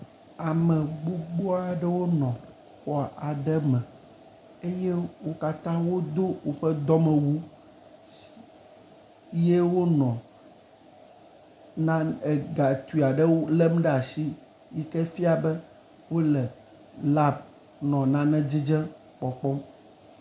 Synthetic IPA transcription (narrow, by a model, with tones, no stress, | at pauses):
a˨mɛ̃˨ɡ͡bu˦ɡ͡bo˦a˨ɖɛ˦wo˦nɔ̃˨ | xɔ˨ʔa˨ɖɛ˦mɛ̃˨ | e˦jɛ˦wo˦ka˦t̪ã˦wo˦d̪o˦wo˨ɸɛ˦d̪ɔ˦mɛ̃˨wu˦ | je˦wo˦nɔ̃˨ | nã˦ɛ˨ɡa˨t̪u˨i˨a˨ɖɛ˦wo˦lɛ˦m˦ɖɛ˦a˨si˦ | ji˦kɛ˦fi˦a˨bɛ˦ | wo˦lɛ˨ | la˦b̚ | nɔ̃˨nã˦nɛ̃˦d͡ʑi˦d͡ʒɛ̃˦ | k͡pɔ˨k͡pɔ˦m